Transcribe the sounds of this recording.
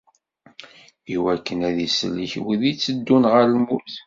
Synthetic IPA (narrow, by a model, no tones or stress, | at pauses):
iwækːənæðisəlːiçwiðit͡sːəd̪ːunʁəɾlmuθ